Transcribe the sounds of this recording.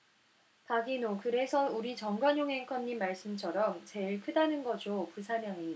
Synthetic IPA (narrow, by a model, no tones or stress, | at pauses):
paɡinokɯɾe̞sʰʌuɾit͡ɕʌŋɡwaɲjoŋɦeŋkʰʌɲːimːaɭs͈ɯmt͡ɕʰʌɾʌmt͡ɕe̞iɭkʰɯdanɯnɡʌd͡ʑopusʰanjaŋiɲid